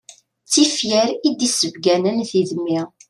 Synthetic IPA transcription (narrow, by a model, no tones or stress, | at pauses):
t͡sːifjəɾid̪isəvɡænənθiðəmːiʁ